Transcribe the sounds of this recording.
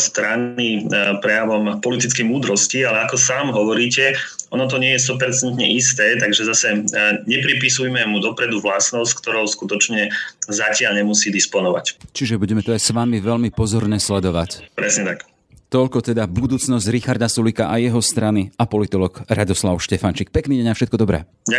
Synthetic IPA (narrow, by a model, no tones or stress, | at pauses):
st̪ɾanipɾɛjaʋɔmpɔlit̪it͡skɛjmuːd̪ɾɔscialɛakɔsaːmɦɔʋɔɾiːcɛʔɔnɔt̪̬ɔɲɪɛjɛst̪ɔpɛɾt͡sɛnt̪ɲɛ̰ʔist̪ɛːt̪aɡʒɛzasɛɲɛpɾipisujmɛmud̪ɔpɾɛd̪uʋlasnɔsckt̪ɔɾɔʊskut̪ɔt͡ʃɲɛzacɪaʎɲɛmusiːd̪ispɔnɔʋa̰ct͡ʃiʒɛbuɟɛmɛt̪ɔajsʋamiʋɛʎmipɔzɔɾnɛːslɛd̪ɔʋa̰cpɾɛsɲɛt̪ak | t̪ɔʎkɔt̪ɛd̪abud̪uːt͡snɔzɟɾixaɾd̪asulikaʔajɛɦɔst̪ɾaniapɔlit̪ɔlɔkɾad̪ɔslaʊʃcɛfant͡ʃik̚pɛkniːɟɛɲafʃɛt̪̚kɔd̪ɔbɾɛ̰ː | a